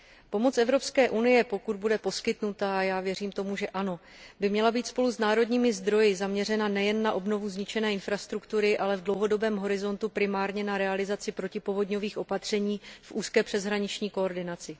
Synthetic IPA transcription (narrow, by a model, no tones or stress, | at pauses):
po̞mo̞t͡sʔɛvɾo̞pskɛːʔunɪjɛpo̞kud̪budɛpo̞skɪt̪nut̪ajaːvjɛriːmt̪o̞muʒɛʔano̞ | bɪmɲɛlabiːt̪spo̞lusnaːɾo̞dɲiːmɪzd̪ɾo̞jɪzamɲɛrɛnanɛjɛnːaʔo̞bno̞vuzɲɪt͡ʃɛnɛːɪnfɾast̪ɾukt̪uɾɪʔalɛvdlo̞wɦo̞do̞bɛːmɦo̞ɾɪzo̞nt̪upɾɪmaːɾɲɛnaɾɛalɪzat͡sɪpɾo̞cɪpovo̞dɲo̞viːxʔo̞pat̪r̝̥ɛɲiːfʔuːskɛːpr̥ɛzɦɾaɲɪt͡ʃɲiːkoːɾdɪnat͡sɪ